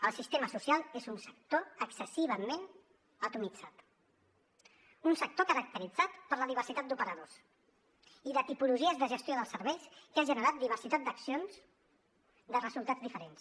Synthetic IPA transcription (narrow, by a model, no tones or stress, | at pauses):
əlˠsist̪eməsusialˠezunsə̥k̚t̪oəksəsiβ̞əmen | ət̪umid͡zat̪ | unsək̚t̪okəɾək̚t̪əɾid͡zat̪pəɾləðiβ̞əɾsit̪at̪̚d̪upəɾəðos | iðət̪ipuluʒiəzðəʒəst̪joðəlˠsəɾβɛjskaʒənəɾat̪̚d̪iβ̞əɾsit̪at̪̚d̪əksionz | d̪ərəzulˠt̪ad͡zd̪ifəɾens